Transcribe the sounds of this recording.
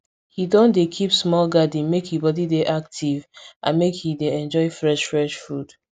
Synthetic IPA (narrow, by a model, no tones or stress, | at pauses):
hidɔ̃ndekʰipsmɔlɡadĩmekhibɔdideʔak̚tʰivʔã̰nmekhideɛ̃nd͡ʒɔɪfɹɛʃfɹɛʃfud̥